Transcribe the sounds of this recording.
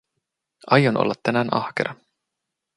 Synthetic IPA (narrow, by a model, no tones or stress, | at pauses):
ɑjonʔo̰lːɑt̪ːænæːnʔɑ̰hkeɾɑ